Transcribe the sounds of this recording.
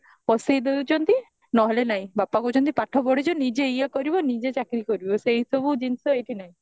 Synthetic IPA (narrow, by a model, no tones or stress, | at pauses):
pɔsejd̪eut͡ʃɔnt̪i | nɔɦɔlenaĩbapakut͡ʃɔnt̪̬ipaʈʰɔbɔɽed͡ʒɔnid͡ʒeːjakɔɾibɔnid͡ʒet͡ʃakɾikɔɾibɔseɦisɔbud͡ʒinsɔejʈinaĩ